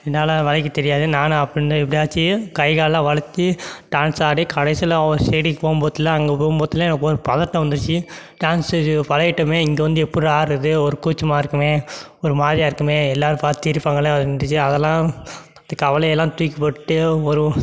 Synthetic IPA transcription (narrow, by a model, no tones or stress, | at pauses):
ɪɐnaːlɐʋɐlɐkːɯt̪ɛɾɪjaːðɯnaːnɐpːɐɽɪnɯɛpːɐɽiaːt͡ʃːɯkɐɪɣaːɭlãːʋɐɭɐt̪ːɯʈaːnsaːɽikɐɽɛɪsɪlãɔɾseːɽipoːmboːt̪ːɪlːãɐŋɡepoːmboːt̪ːɪlːãɛnɐkːɯɔɾɯpɐðɐɾʈːɐ̃ʋɐnd̪ɯɾɯt͡ʃːɯʈaːnsɯpɐlɐjɪʈːɐmeːɪŋɡeʋɐnd̪ɯɛpːɯɽɯaːɾɐðɯɔɾɯkuːt͡ʃːɐmaːɪɾɯkːɯmeː | ɔɾɯmaːðijaɪɾɯkːɯmeːɛlːaːɾɯpaːɾt̪ːɪɪɾɪpːaːŋɡɐleːðnɖɯt͡ʃːɯɐðɛlːãː | d̪ɯkːɐʋɐlɐɛlːãːt̪ʊɪkːɐpːɐɽʈːɯɔɾɯ